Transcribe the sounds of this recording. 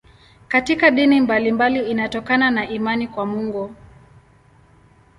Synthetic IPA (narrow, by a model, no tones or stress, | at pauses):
katikaɗinimbalimbaliːnatɔkananaʔimanikwamuŋɡɔ